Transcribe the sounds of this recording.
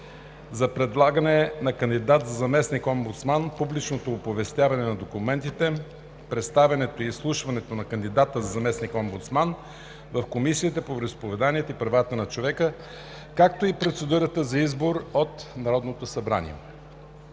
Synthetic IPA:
zɐpɾɛd̪lˠaɡənɛnɐkənd̪id̪at̪zɐzɐmɛsnikombut̪smanpublit͡ʃnot̪oːpovɛst̪ʲjavɐnɛnɐd̪okumɛnt̪it̪ɛ | pɾɛt̪st̪avɛnɛt̪oiːslˠuʃvɐnɛt̪onɐkənd̪id̪at̪əzɐzɐmɛsnikombut̪sman | vɐfkomisiit̪əpovɾɛspovɛd̪aniɛt̪oipɾɐvat̪ənɐt͡ʃovɛkə | kak̚t̪oipɾot̪sɛd̪uɾət̪əzɐizboɾot̪nɐɾɔd̪not̪osɐbɾa̰nḭɛ̰

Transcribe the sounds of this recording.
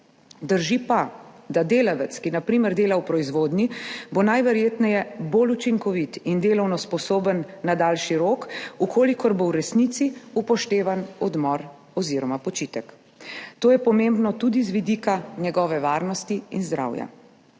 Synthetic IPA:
d̪əɾʒipad̪ad̪eːlaʋɛt̪skinapɾiːməɾd̪eːlawpɾɔizʋoːd̪nibonajʋɛɾjeːt̪nɛjɛbolut͡ʃiŋkɔʋit̪ind̪eːlɔwnɔspɔsoːbənːad̪aːlʃiɾoːkukʰoːlikɔɾbowɾɛsnit̪siupɔʃt̪eːʋanɔd̪mɔɾ | ɔziːɾɔmapɔt͡ʃiːt̪ək | t̪oːjɛpɔmẽmbnɔt̪ud̪izʋid̪iːkanɛɡɔːʋɛʋaːɾnɔst̪iinzd̪ɾa̰wja̰

